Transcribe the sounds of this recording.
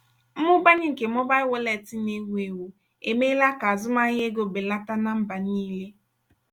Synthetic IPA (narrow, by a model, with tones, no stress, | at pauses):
m̩˦mʊ˦ba˦ɲɪ˦ŋ̩˨ke˨m˦ɔ˦ba˦ɪ˦wo˦lɛ˨tɪ˦ne˦wʷe˨wu˨ | e˨me˦la˦ka˨zʊ˦ma˦ɲ˦e˦ɡo˨be˨la˦ta˦na˦m̩˦ba˨niː˦le˦